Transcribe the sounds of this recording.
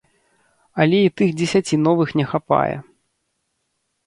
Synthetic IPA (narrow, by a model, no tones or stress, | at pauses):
ɐlʲɛit̪ɨɣd͡zʲɛsʲat͡sʲin̪ɔvɨxnʲɛxapa̰jɛ̰